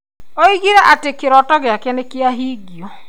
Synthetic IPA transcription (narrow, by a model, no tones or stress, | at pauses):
oiɡiɾɛʔatekɪɾɔtɔɣɪakɛnekɪaɦiːɡiɔ